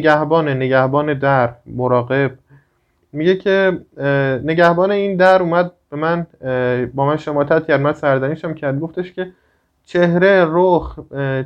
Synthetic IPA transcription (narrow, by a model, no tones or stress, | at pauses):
ɡæhbɒːneneɟæhbɒːned̪æɾmoɾɒːɣe̞b̚ | miɟecʰe | ne̞ɟæhbɒːne̞iːnd̪æɾuːmæd̪̚b̥e̞mæn | bɒːmænʃemɒːt̪ʰæt̪ʰcæɾmænsæɾzæniʃæmcʰæɾd̪̚ɡoft̪eʃcʲʰe | t͡ʃʰehɾe̞ɾox